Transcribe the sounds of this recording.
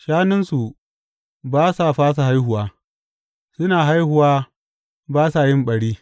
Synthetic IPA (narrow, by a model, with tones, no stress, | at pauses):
ʃaː˦nɪ˦nsu˨ | baː˦sa˨ɸaː˦s̬a˨ɦa˦jhʊ˨waː˦ | sʊ˦naː˨ɦa˦jhʊ˨waː˦ | baː˦sa˨jɪ˦mɓɐ˨ɽiː˦